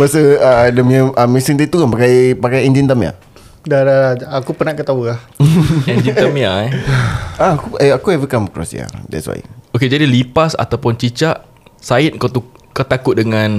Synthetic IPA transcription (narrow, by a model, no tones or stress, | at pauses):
basəadəmiəʔəmisiŋt̪it̪ukanpakajpakajɛnd͡ʒint̪əmja̰ | dadadaakupənakət̪aulah | ɛd͡ʒinəmja | aakuɛakuɛvikaməkɾɔ̰sja̰dɛ̰tswa̰joked͡ʒadilipasa̰t̪awpʊnt͡ʃit͡ʃaʔ | saɪt̪̚kot̪ukat̪akʊt̪̚dəŋãn